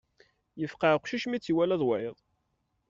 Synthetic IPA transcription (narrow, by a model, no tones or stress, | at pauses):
jəfqɑʕqʃiʃmit͡sːiwælæðˤwæjəðˤ